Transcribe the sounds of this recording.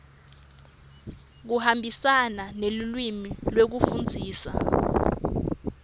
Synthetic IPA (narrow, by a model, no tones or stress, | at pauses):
k̬uhambʱisananelulwimilwek̬ufund͡zʱiːsa̰